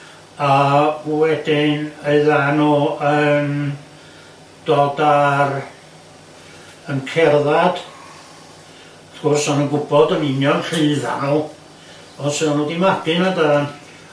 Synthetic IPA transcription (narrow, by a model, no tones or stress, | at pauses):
awɛdɪneɨðanɔən | d̥oːdar | ənkʰɛrðad̥ | aθɡ̥ɔrsɔnənɡʊbɔdənɪnjɔnɬɨːða̰nɔlˠ | ɔsəanudimaɡɨnadaðan